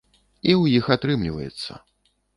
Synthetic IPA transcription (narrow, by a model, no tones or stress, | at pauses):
iwjixat̪ɾɨmlʲivɐ̰jɛ̰t̪sːɐ̰